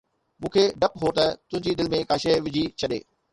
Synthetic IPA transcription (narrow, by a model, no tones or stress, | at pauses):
mũːkʰeɖɐpɦot̪ɐt̪ʊ̃ɦɪ̃ɲd͡ʑid̪ɪlmẽkaːʃeʋɪd͡ʑʱit͡ɕʰɐɗḛː